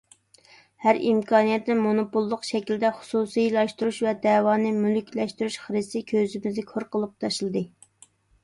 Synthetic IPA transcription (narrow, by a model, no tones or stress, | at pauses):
hæɾḭmkʰɑːnijɛt̪nɪnmonopulˠːʊqʃɛkʲild̪ɛχʊ̥susijlˠɑʃt̪uɾuʃvɛd̪ɛːwɑːnɨmylykʲlɛʃt̪yɾuʃχəɾɨsɨkʲʰøzɪmɪzd̪ɪkʰoɾqəlˠɨp̚t̪ʰɑʃlˠɨd̪ɨ